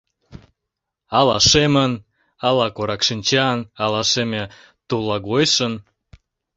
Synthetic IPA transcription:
ɑlɑʃemən | ɑlɑkoɾɑkʃinʲt͡ɕɑnɑlɑʃemʲĕ | t̪ulˠːɑɣojʃən

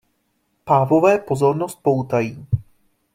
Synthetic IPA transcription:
paːvo̞vɛːpo̞zo̞ɾnost̪̚po̞wt̪ajiː

